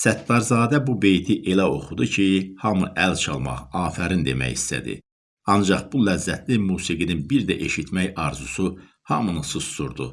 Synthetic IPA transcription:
sæt̪ːɑɾzɑːd̪æbube̞jt̪ʰiʔe̞læo̞̰χud̪ucʰihɑmuʔælt͡ʃʰɑlˠmɑ̰χɑːfæɾind̪e̞̰mæ̰jist̪æ̰d̪ḭ | ɑnd͡ʒɑχb̥ulæzːæt̪ʰlimuːsiɡininbiɾd̪æʔe̞ʃit̪ʰmæjɑɾzusu | hɑmɯnɯsɯsːuɾd̪u

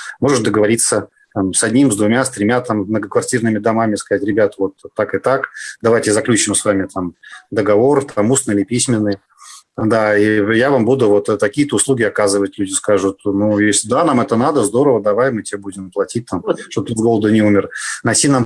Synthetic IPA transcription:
mo̞ʐɨt̪̚d̪əɡəvɐɾʲit̪sə | t̪amsɐdʲnʲimzd̪vʊmʲast̪ɾʲɪmʲat̪ammnəɡəkvɐrtʲirnɨmʲɪd̪ɐmamʲɪskɐzatʲɾʲɪbʲat̪vo̞t̪ːakɨt̪akd̪ɐvajtʲɪzɐklʲut͡ɕɪmsvamʲɪt̪amd̪əɡɐvo̞rt̪amusnɨɪlʲɪpʲisʲmʲɪnːɨj | d̪aijavambud̪ʊvo̞t̪ːɐkʲiət̪əʊslˠuɡʲɪɐkazɨvətʲlʲudʲɪskaʐʊt̪nujesʲlʲɪd̪anamɛt̪ənad̪əzd̪o̞ɾəvəd̪ɐvajmɨtʲɪebudʲɪmplˠɐtʲit̚ʲt̪amʂt̪obt̪ɨvɡo̞lˠəd̪ʊnʲɪumʲɪrnɐjtʲinam

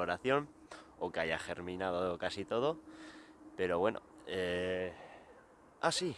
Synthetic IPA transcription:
oɾaθjo̞m | okeajaxe̞ɾmĩnað̞okasit̪o̞ð̞o̞ | pe̞ɾo̞βwe̞no̰e | asi

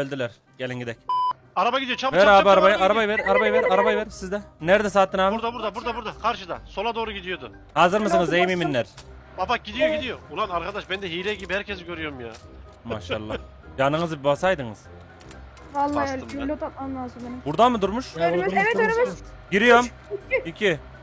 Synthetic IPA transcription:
ølʲd̪ilʲɛɾ | ɟ̥elʲinɟid̪ɛc | aɾabaɡʲid̪ijot͡ʃʰavɛɾabaɾabajɯaɾabajvɛɾaɾabajvɛɾaɾabajvɛɾsizd̪ɛnæɾd̪ɛsaːt̪ːɯnamɾd̪buɾd̪abuɾd̪abuɾd̪akʰaɾʃɯd̪aso̞lˠad̪oːɾuɟid̪ijod̪ʊ | haːzɯɾmɯsɯnɯzejimiminːæɾ | babaɟid̪ijoɡid̪ijoulˠanaɾkʰad̪aʃbɛnd̪ɛɦijlɛɟibihæɾcʲʰɛzɡʲøɾyjoɾmja̰ː | ma̰ʃa̰lˠːa | d͡ʒanɯŋɯzɯbasajd̪ɯŋɯ̰z̥ | alˠːylʲːɛt̪ʰap̚mˠalˠaːzɯmbenimbuɾd̪amɯd̪uɾmuʃ | ɟiɾijom | icʰi

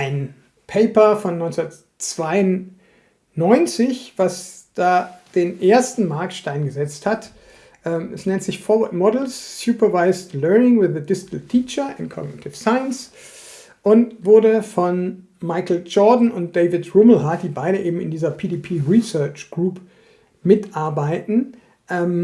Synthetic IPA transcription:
ʔaɪn | pʰeɪpɐfɔnːɔʏnt͡snɐt | t͡sv̥aɪʊn | nɔʏnt͡sɪçv̥asd̥aːd̥eːnʔeːɐstn̩maɐk̚tʃtaɪnɡəzɛt͡sthat | ʔɛːmʔɛsnɛntz̥ɪçfɔvatmɔdl̩ssupɐvaɪstlɜɐnɪŋwɪðədɪstl̩tʰiːt͡ʃɐʔɪ̰nkʰɔ̰ɡ̚nɪtʰɪfsaɪəns | ʔʊntv̥ʊɐɾəfɔn | maɪkl̩d͡ʒɔːdn̩ʊnt̚d̥eɪvɪtʁuml̩ɦaɐt̚d̥iːbaɪɾəʔeːbm̩ɪ̰ndiːzɐpʰiːdipʰiːʁisɜɐt͡ʃɡ̥ʁuːp | mɪtʔaɐbaɪtn̩ | ʔɛm

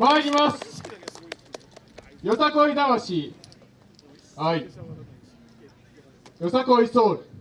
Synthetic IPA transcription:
maɾʲimasɨ̥ | josakɯoid̪aβaɕi | hai | josakɯoɾisoːɾɯ̟

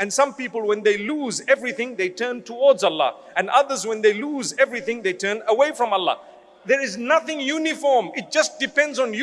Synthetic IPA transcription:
ɨ̃nsʌ̃mpiːpəlˠwɛ̃nd̪eɪluːzɛvɹiθɪ̃ŋðeɪtʰɜ̃ːntʰuwɔːdzalːɑ̰ | ɛ̃nʌðəzwɛ̃nðeɪluːzɛvɹiθɪ̃ŋðeɪtʰɜ̃ːnəweɪfɹɔ̃malːɑ̰ | ðɛɹɪznʌθɪ̃ŋjunɪfɔɹmɪt̚d͡ʒ̥ʌst̚d̥ɪpɛ̃ndzɔ̃nj

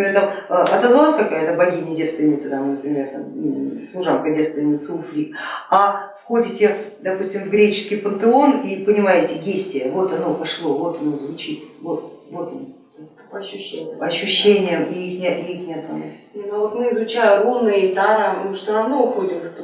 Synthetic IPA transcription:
et̪aməɐt̪ɐzvalˠasʲkɐkajət̪əbɐɡʲinʲɪjdʲerst̪vʲɪnʲɪt̪sət̪amnəpɾʲɪmʲe̞rt̪a̰mslˠʊʐankədʲetst̪vʲɪnʲɪt̪sɨʊflʲikɐfxo̞dʲɪtʲɪd̪ɐpusʲtʲɪmvɡɾʲet͡ɕɪ̥skʲɪjpənt̪ɨo̞nipənʲɪmajɪtʲɪɡʲesʲtʲɪjəvo̞t̪ɐno̞pɐʂlˠo̞vo̞t̪ɐno̞zvʊt͡ɕit̪vo̞t̪vo̞t̪ | ɐɕːɕːenʲɪɐɕːʊɕːenʲɪjəmiixnʲɪixnʲɪɐt̪̚nɐnanʲenvot̪mɨɪzʊt͡ɕæjʊɾunɨjət̪aɾəmɨfsʲoɾɐvnoʊxo̞dʲɪms

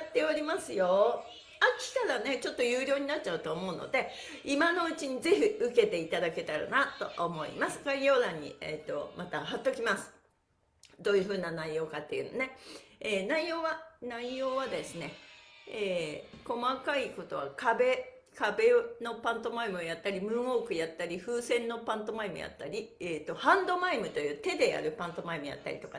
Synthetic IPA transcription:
jat̪ːe̞oɾʲimasɨjo̞ | akʲi̥t̪aɾane̞t͡ɕo̞t̪ːo̞jɯːɾʲo̞ːɲ̟inat̚t͡ɕaɯ̟t̪oːmo̞ɯ̟no̰d̪e̞imano̞ɯ̟t͡ɕiɲ̟ize̞çiɯ̟ke̞t̪e̞it̪ad̪ake̞t̪aɾa̰nat̪o̞ʔomo̞ḭmasɨ̥ɡaijo̞ːd̪ãɲ̟ːḭet̪ːo̞̰mat̪aɦat̪ːo̞kʲimasɨ̥ | d̪o̞ːjɯ̟ɸɯ̟ːnanaijo̞ːkat̪ːe̞̰jɯ̟no̞̰ne̞eːnaijo̞ːβanaijo̞ːβad̪e̞sɨne̞eːko̞makaiko̞t̪o̞βakabe̞ | kabe̞no̞pãnt̪o̞maimɯ̟ojat̪ːaɾʲimɯ̟̃ɰ̃o̞ːkɯ̟jat̪ːaɾʲiɸɯ̟ːsẽ̞nːo̞pãnt̪o̞maimɯ̟ja̰t̪ːaɾʲieːt̪ːo̞hãnd̪o̞maimɯ̟t̪o̞jɯ̟ːt̪e̞d̪e̞ja̰ɾɯ̟pãnt̪o̞maimɯ̟ja̰t̪ːa̰ɾʲḭt̪oka

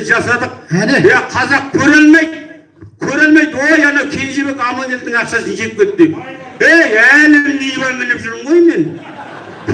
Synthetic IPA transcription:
ʒɑsɑd̪əq̪̚jæqʰɑzɑq̚kʲʰɵɾɪlmejd̪ | kʲʰɵɾɪlmejd̪wojɑnɑwkʲʰe̞lʒeβe̞kʲɑmɑnnʲet̪ːɪŋɑqʃɑsənʒet̪ɪpkʲʰe̞t̪ːɪd̪ep | ejælɪnejβɑɾmɪnɪpʒʏɾd̪əɴʁo̞jme̞n | pʰ

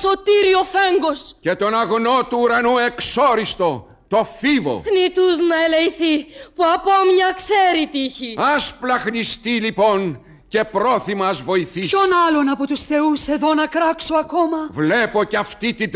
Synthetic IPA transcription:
so̞t̪iɾio̞feŋɡo̞sce̞t̪o̞nɐɣno̞t̪uːɾɐnue̞ksoɾist̪o̞ | t̪o̞fivo̞̰θnit̪uznɐelejθipuɐpomɲɐkseɾit̪içiɐsplɐxnist̪ilipo̞n | ce̞pɾo̞θimɐzvo̞iθisonɐlo̞nɐpot̪usθe̞use̞ðo̞nɐkɾɐksoɐko̞mɐvlepo̞ceɐft̪it̪id̪

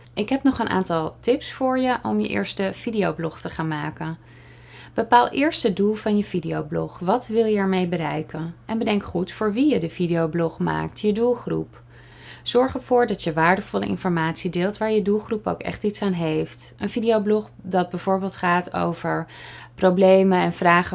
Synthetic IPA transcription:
ʔɪkɦɛpnɔχənʔa̰ːntɑlˠtɪpsfʊːɹjəʔɔmjə̰ʔɪ̰ːɹstəv̥idijowblɔχtəχaːnmaːkən | b̥əpaːlˠɪːɹstədulˠvɑnjəv̥idiowblɔ̰χʋɑtʋɪlˠjəɛɹmejbəɾɛjkənʔɛnbədɛŋkχutfʊːɹʋijədəvidijowblɔχma̰ːk̚tʰjədulˠχrṵp | z̥ɔɹχəɹv̥ʊːɹdɑtjəʋaːɹdəvɔlə̰ʔɪ̰nfɔɹmaːtsidɪːlˠtʋaːɹjədulˠχrupo̰wkɛ̰χtitsaːnɦejftʔənvidiowblɔχ | dɑd̚bɛjvʊːɹbɪːlˠtχaːto̰wvəɹprowblejmənɛnv̥raːχə

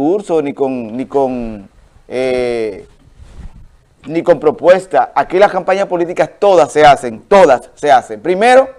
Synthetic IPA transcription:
uɾsonikoŋnĩkoŋ | e | nĩko̞mpɾo̞pwe̞st̪aakilaskampaɲaspo̞lit̪ikast̪o̞ðasːe̞ase̞ŋt̪o̞ðasːe̞ase̞mpɾime̞ɾo̞

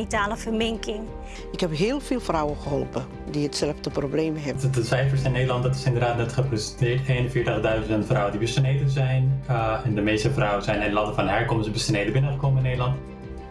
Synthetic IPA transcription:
itaːləfərmɪŋkɪŋ | ɪkhɛpɦɪːlˠvɪːlˠfrawəχəɦɔlˠpə | diətsɛləfdəprobleːmɦɛdəsɛjfəɹsɪnːedəlɑnt̚dɑtɪ̥sɪndərdaːtnɛtχəprɛstɪːɹteːnənfɪːɹtəχdœɥzəntfrɔwəndibəstnejdənzɛjnɛndəmeːstəfrɔwənzɛjnɛnlɑdəvɑnɦɛɹkɔmsbəstəneːdənbɪnəχəkoməɪnːeːdəlɑnt

